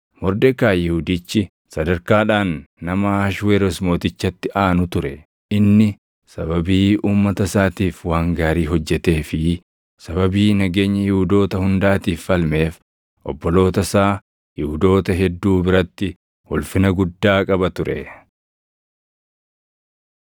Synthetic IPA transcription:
mɔɾd̪ɛkaːjɪhud̪it͡ʃːɪ | sɐd̪ɐɾkaːᶑaːnːɐmɐaːʃweːɾɔsmo̞ːt̪ɪt͡ʃːɐt̪ːɪʔaːnʊt̪ʊɾɛ | ʔɪnːɪ | sɐbɐbiːʔuːmːɐt̪ɐsaːt̪iːfwaːŋɡaːɾiːɦɔd͡ʒːɛt̪e̞ːfɪ | sɐβɐbiːnɐɡe̞ːɲːɐjɪhʊd̪o̞ːt̪ɐhʊnd̪aːt̪iːfːɐlme̞ːf | ʔɔbːɔlo̞ːt̪ɐsaː | jɪhʊd̪o̞ːt̪ɐɦɛd̪ːuːbɪɾɐt̪ːɪ | hʊlfɪnɐɡʊd̪ːaːkʼɐbɐt̪ʊɾɛ̰

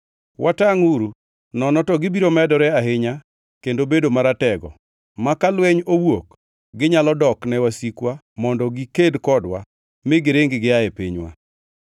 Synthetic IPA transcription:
wʔataŋuɾu | nɔnɔtɔɡɪbiɾomɛdɔɾɛaɦɪɲa | kendobedomaɾatɛɡɔ̰ | makalwɛɲowok | ɡɪɲalɔdɔknɛwasikwa | mɔndɔɡikedkɔdwa̰ | mɪɡɪɾeŋɡɪɡɪaɛpiɲwa̰

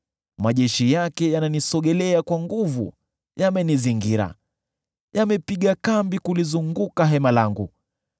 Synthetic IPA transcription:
maʄɛʃijakɛjananisɔɠɛlɛakwaŋɡuvṵ | jamɛniziŋɡiɾa̰ | jamɛpiɠakambikulizuŋɡukaɦɛmalaŋɡṵ

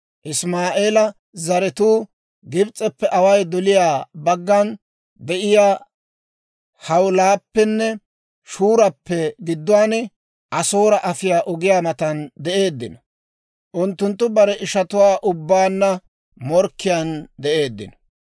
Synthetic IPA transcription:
ʔɪsmaːʔeːlɐ | zɐɾɛt̪uː | ɡɪbt͡sʼːɛpːɛʔɐwɐjd̪ɔlɪjaːbɐɡːɐn | d̪ɛʔɪjaː | hɐwlaːpːɛnːɛ | ʃuːɾɐpːɛɡɪd̪ːʊwaːnɛ | ʔɐso̞ːɾɐʔɐfɪjaːʔɔɡɪjaːmɐt̪ɐnd̪ɛʔe̞ːd̪ːɪnɐ | ʔʊnt̪ːʊnt̪ːʊbɐɾɛʔɪʃɐt̪ʊwaːʔʊbːaːnːɐ | mɔɾkːɪjand̪ɛʔe̞ːd̪ːɪ̰nɐ

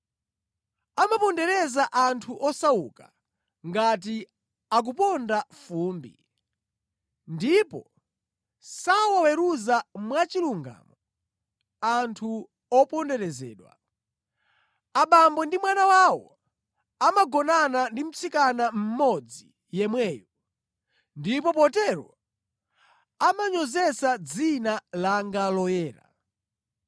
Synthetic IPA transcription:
amapɔndɛɾɛzaʔantʰuʔɔsawṵka | ŋɡat̬i | ak̬upɔndafuːmbḭ | ndipɔ̰ | sawawɛɾuzamwat͡ʃiluŋɡa̰ːmɔ | antʰu | ɔpɔndɛɾɛzɛ̰ːɗwa̰ | aɓambɔndimwanawawɔ̰ | amaɡɔnanandim̩t͡sʰikanam̩mɔd͡zi | jɛmwɛːjɔ | ndipɔpɔtɛɾɔ̰ | amaɲɔzɛsad͡zinalaŋɡalɔjɛːɾa̰

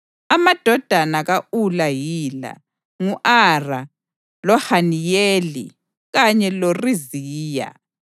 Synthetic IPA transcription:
amad̥ʱɔd̥ʱanaɣaʔulajiːla̰ | ŋuʔara | lɔhanijeːlḭ | ɣaɲɛloriziːja̰

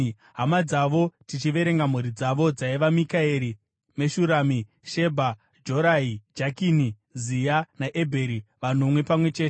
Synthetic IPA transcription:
ɦamad͡zaʋo̞tit͡ʃiʋe̞ɾe̞ŋɡam̤uɾid͡zaʋo̞d͡zaiʋamikaeɾi | me̞ʃuɾaːmi | ʃe̞bʱa | d͡ʒo̞ɾaɦid͡ʒakini | zijanaʔe̞bʱe̞ɾiʋan̤omwe̞pamwe̞t͡ʃe̞ːte

